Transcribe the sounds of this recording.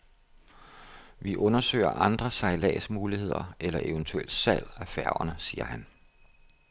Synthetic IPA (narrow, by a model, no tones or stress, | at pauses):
ʋiʔɔ̽nɐsø̰ːɪɐʔɑ̈nd̥ʁɐsɑ̈ilɛ̰ːsmuːlihe̝ð̞̰ˠɐelɐʔe̝ʊnt͡sʰueld̥sæl̰æfæɐɐnəsiːɐ̰hæn